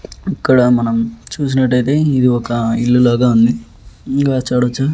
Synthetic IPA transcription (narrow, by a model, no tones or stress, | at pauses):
ikːɐɽɐmɐnɐmt͡ʃuːs̬inɐʈːɐjt̪e̞ːid̪iɔkɐiɭːulaːɡaːund̪i | ɡaːt͡ʃːaːɽɐt͡ʃːa